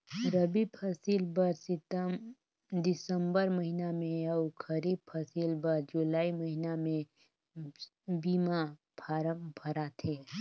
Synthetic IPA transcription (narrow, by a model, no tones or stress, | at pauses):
ɾəbipʰɐsiːlbəɾsɪt̪əm | d̪ɪsəmbəɾməɦinamẽɐʊkʰəɾiːb̚pʰəsilbəɾd͡ʒʊlaːimɐɦinamẽ | biːma | pʰaːɾəmbʱɐɾat̪ʰeː